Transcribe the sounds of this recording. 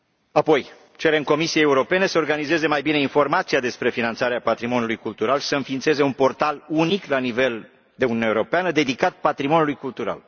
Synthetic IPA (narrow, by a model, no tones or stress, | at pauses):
apo̞j | t͡ʃe̞ɾe̞mko̞misieeuɾo̞pe̞ne̞səorɡanize̞ze̞majbine̞info̞rmat̪siad̪e̞spɾe̞finant̪saɾeapat̪ɾimo̞nʲulujkult̪uɾalʃi̥səɨnfiːnt̪se̞ze̞unpo̞rt̪aluniklanive̞l | d̪e̞ununeaeuɾo̞peanəd̪e̞d̪ikat̪̚pat̪ɾimo̞nʲulujkult̪uɾa̰l